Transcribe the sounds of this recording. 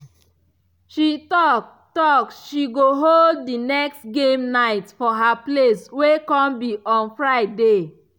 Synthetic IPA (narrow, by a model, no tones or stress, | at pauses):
ʃitɔk̚ | tɔksʃiɡoɦolddinɛkstɡẽmnaɪtfɔɦapleswekɔ̃mbiʔɔ̃nfɹaɪde